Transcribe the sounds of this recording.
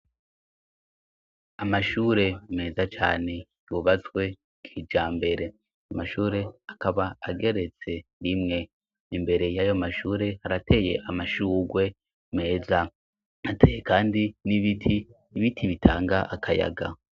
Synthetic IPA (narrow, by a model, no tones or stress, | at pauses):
amaʃuːɾe̞me̞ːzat͡ʃa̰ːne̞ | juβat͡sɡwe̞ | kʰid͡ʒaːmbe̞ɾe̞ | amaʃuːɾe̞akaβaaɡe̞ɾe̞t͡se̞ɾimŋe̞ | imbe̞ɾe̞jajo̞maʃuːɾe̞haɾatʰe̞ːje̞̰ʔamaʃuːɡwe̞ | me̞ːza | atʰejekaːndiniβitʰi | iβitʰiβitʰa̰ːŋɡaʔakʰaja̰ɡa̰